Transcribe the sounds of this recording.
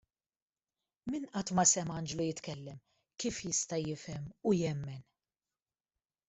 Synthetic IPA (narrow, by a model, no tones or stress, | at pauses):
mɪnʔɐt̪mɐsɛmɐnd͡ʒlujɪt̪kɛlːɛm | kiːfjɪst̪ɐjɪfɛmujɛmːɛn